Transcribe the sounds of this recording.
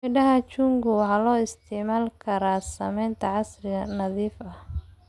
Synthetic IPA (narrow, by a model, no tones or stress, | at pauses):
ɪɖɐɦɐt͡ʃuŋɡʊwɑħɑːlɔːɪst̪ʰɛʕmaːlkʰɐɾaːsɐmɛjnt̪ʰɐʕɑsrɪɣɐnɐðiːfɐh